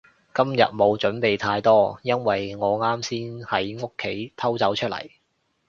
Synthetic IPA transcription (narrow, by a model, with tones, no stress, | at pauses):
kɐ˥mjɐ˨t̚mo˨˧wt͡ʃɵ˨˥npe˨jt̪ʰaː˧jt̪ɔː˥jɐ˥nwɐ˨jŋɔː˨˧ŋaː˥msiː˥nhɐ˨˥jŋo˥kʰːe˨˥jt̪ʰɐ˥wt͡sɐ˨˥wt͡ʃʰɵ˥lɐ̰˨˩j